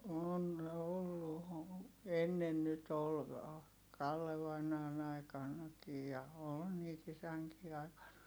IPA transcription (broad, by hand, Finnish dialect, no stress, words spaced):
on olːu o enːen nyt ol kɑlːe ʋɑinɑːn ɑikɑnːɑkij jɑ oːl niːt isæŋkiː ɑi̯kɑn